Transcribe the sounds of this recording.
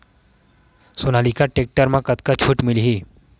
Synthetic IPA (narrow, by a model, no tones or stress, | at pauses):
sonalikaʈek̚ʈəɾmãkət̪kat͡ɕʰuːʈmilɦi